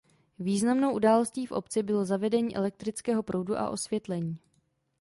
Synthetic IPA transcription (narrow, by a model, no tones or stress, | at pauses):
viːznamnowʔudaːlo̞sciːfʔo̞̰pt͡sɪbɪlozavɛdɛɲiːʔɛ̰lɛk̚t̪ɾɪt͡skɛːɦo̞pɾo̞wduʔa̰ʔo̞svjɛt̪lɛɲiː